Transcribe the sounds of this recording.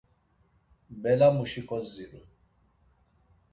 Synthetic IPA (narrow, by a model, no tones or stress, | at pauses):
bɛlamuʃikʼɔziɾu